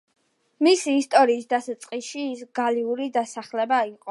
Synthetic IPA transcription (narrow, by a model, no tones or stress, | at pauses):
misiːst̪ʼɔɾiːsd̪asat̪sʼqʼiʃiːsɡaliuɾid̪asaχlɛbaiqʼɔ